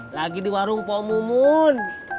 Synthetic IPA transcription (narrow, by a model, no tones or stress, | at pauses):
laɡidiwaɾuŋpɔmumun